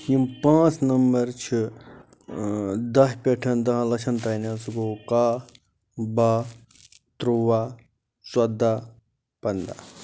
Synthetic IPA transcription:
jimpãːt͡snɐmbɐɾt͡ʃʰi | d̪ɐɦpʲeʈʰɐnt̪ɐɦãlɐt͡ʃʰɐnt̪aːnãːsuɡoːkaː | baː | t̪ɾuʋaː | swɐd̪aː | pɐnd̪a̰

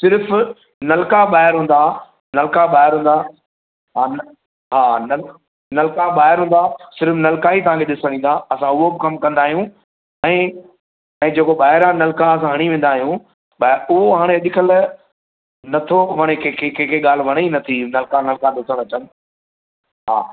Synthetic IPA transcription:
sɪɾf | nɐlkaɓaːɦɪɾɦũːn̆d̪a | nɐlkaɓaːɦɪɾɦũːn̆d̪a | ɦaːn | ɦaːnɐl | nɐlkaɓaːɦɪɾɦũːn̆d̪asɪɾfnɐlkaːit̪ɐʋ̤ãkʰeɗɪsəɽ̃ĩːnd̪aɐsãʊɦobɪkɐmkɐ̃nd̪aːɦijũ | ɛ̃ː | ɛ̃ːd͡ʑeːkoɓaːɦɪɾãnɐlkaɐs̬ãɦɐɽ̃iʋẽːn̆d̪aːɦijũ | ɓaːʊɦoɦaːɽ̃eɐɗ̪ɪkʰəl | nɐt̪ʰoʋɐɽ̃ekʰekʰekʰeːkʰeɠaːl̤ʋɐɽ̃einɐt̪ʰinɐlkanɐlkaɗɪsəɽ̃ɐt͡ɕən | ɦa̰ː

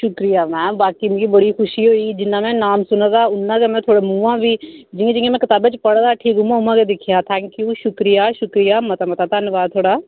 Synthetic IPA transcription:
ʃʊkɾijaːmɛ̃ːbaːkiːmɡiːbəɽiːxʰʊʃiːɦoːiːd͡ʒɪnːãːmɛ̃ːnaːmsʊnãd̪aːʊnːãːkemɛ̃ːt̪ʰoːɽeːmũːãːʋiːd͡ʒɪãːd͡ʒɪ̃ãmɛ̃ːkɪt̪aːbeːt͡ʃpəɽd̪aːʈʰiːkʊmãːɦʊmãːkeːd̪ɪkʰɪjaːt̪ʰɛ̃ːŋkjuːʃʊkɾɪjaːʃʊkɾɪjaːmət̪aːmət̪aːt̪ənʋaːd̪̚t̪ʰoːɽaː

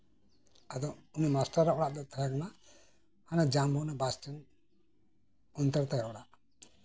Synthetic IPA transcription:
ad̪ɔunimasʈaɾːaʔɔɽaʔd̪ɔt̪ʰaɾakana | hanad͡ʒambɔnabasʈən | ɔnt̪əɾt̪ajaʔɔɽaʔ

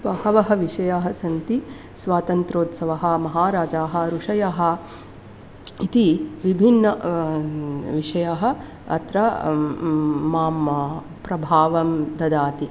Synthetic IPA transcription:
bɐhɐʋɐɦɐʋiʂɐjaːɦɐsɐnt̪i | sʋaːt̪ɐnt̪ɾoːt̪sɐʋɐɦɐ̆mɐɦaːɾaːd͡ʒaːɦɐ̆ɾuʂɐjaːɦɐ̆ | it̪iʋibʱinːɐ | ʋiʂɐjaɦɐ̆ | ɐ̰t̪ɾɐ | aːmɐ | pɾɐbʱaːʋɐmd̪ɐd̪aːt̪i

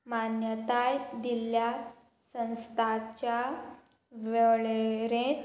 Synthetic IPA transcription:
manjət̪ajd̪ilja | sə̃w̃st̪ʰat͡ɕja | ʋəɭeɾẽt̪

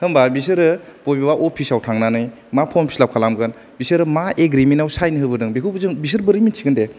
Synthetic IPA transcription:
hɯmbabis̬ɯɾɯpobiwaʔopʰisawtʰaŋnanɯj | mapʰompʰi̥slap̚kʰalamɡɯn | bisɯɾɯmaeɡɾimentawsajnɯɦɯbɯdɯŋbekʰubzɯŋbis̬ɯɾbɯɾɯminsʰiɡɯnde

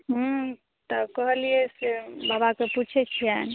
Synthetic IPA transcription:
ɦũ | t̪ɔkəɦəliɛsebabakeput͡ʃʰɛt͡ʃʰian

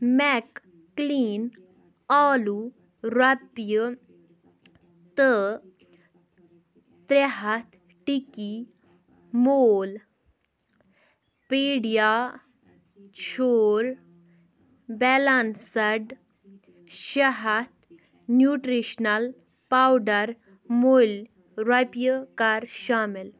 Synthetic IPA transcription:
mɛkː | liːn | aːlu | ɾɐtjə | t̪ə | t̪ɾeɦɐt̪ | ʈiki | moːl | peːɽja | t͡ɕʰoɾ | bɛlansəɖ | ɕaɦat̪̚ | njuʈɾiɕnəl | pawɖəɾ | mol | ɾapjəkaɾɕamel

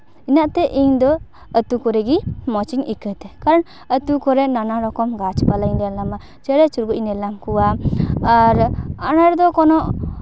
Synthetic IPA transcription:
inaʔt̪ɛʔiɲd̪ɔ | ət̪ukɔɾɛɡimɔt͡ʃiŋikət̪ɛkaɾɔn | ət̪ukɔɾɛnanaɾɔkɔmɡat͡ʃpalajɲd̪ɛlama | t͡ʃəɾɛt͡ʃuɾɡuʔnɛlamkuwaː | ɾanaɾd̪ɔkɔnɔʔ

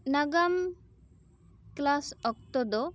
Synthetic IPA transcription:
naɡam | klasɔk̚t̪ɔd̪ɔ

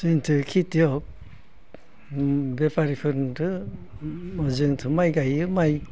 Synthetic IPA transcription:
sɯjntʰɯkʰitijɔk̚ | bepʰaɾipʰɯɾntʰɯ | mɔzɯŋtʰɯmajɡajɯmaj

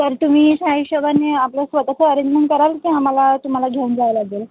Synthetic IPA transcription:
t̪əɾt̪um̤iːsaiɕəbʱaneapləsʋət̪at͡səːɾed͡ʑmənkəɾalkĩam̤alat̪um̤alaɡʱeund͡zajlaɡel

